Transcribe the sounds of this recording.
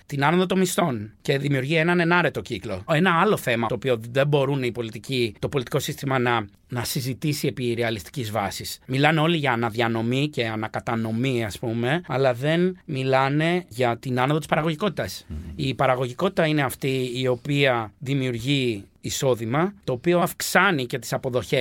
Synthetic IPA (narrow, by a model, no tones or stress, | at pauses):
t̪inɐnoðot̪o̞mist̪o̞nce̞ðimiuɾʝie̞nɐne̞nɐɾe̞t̪o̞ciklo̞̰e̞nɐɐlo̞θe̞mɐt̪oːpio̞ðe̞mbo̞ɾuneipo̞lit̪icit̪o̞po̞lit̪i̥ko̞sist̪imɐnɐ | nɐsizit̪isie̞piɾeɐlist̪i̥cizvɐsismilɐneo̞liʝɐːnɐðjɐno̞mice̞ɐnɐkɐt̪ɐno̞miɐspume̞ɐlɐðe̞nmilɐne̞ʝɐt̪inɐnoðo̞t̪ispɐɾɐɣo̞ʝiko̞t̪i̥t̪ɐsipɐɾɐɣo̞ʝiko̞t̪it̪ɐine̞ɐft̪iːo̞piɐðimiuɾʝiːso̞ðimɐt̪o̞ːpio̞ɐfksɐnice̞t̪isɐpo̞ðo̞çe